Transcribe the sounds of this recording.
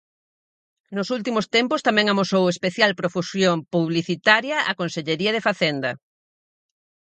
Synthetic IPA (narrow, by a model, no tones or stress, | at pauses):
nʊsult̪imost̪empost̪amɛ̃ŋamosowespeθjalpɾofusjoŋpuβliθit̪aɾjɐʔa̰konseʎeɾiɐð̞efaθend̪ɐ